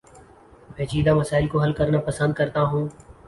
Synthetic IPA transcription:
pẽːt͡ʃiːd̪aməsaːɪlkoɦɐlkəɾnapəsə̃nd̪̚kəɾt̪aɦũː

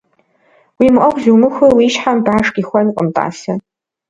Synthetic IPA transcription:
wimʔʼɐqʷzumɨxʷɨwiʃħanbaːʂkʲʼixʷaniqʼəmtʼa̰ːsɐ

